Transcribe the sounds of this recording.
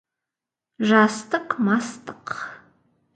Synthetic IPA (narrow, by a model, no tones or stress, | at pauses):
ʒastʰɨqʰʼmastʰʼɨ̥qʰ